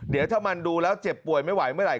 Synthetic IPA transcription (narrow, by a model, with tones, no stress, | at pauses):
di˩˦wt̪ʰaː˥˩wma˧nduː˧lɛː˦˥wt͡ɕe˨˩pːu˨˩əjma˥˩jwa˩˦jmɯ˥˩ɾa˨˩